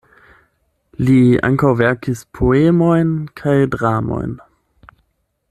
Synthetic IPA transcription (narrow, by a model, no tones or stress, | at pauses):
lia̰ŋkawvɛʁkispʰoemojnkʰajdʁamo̰jn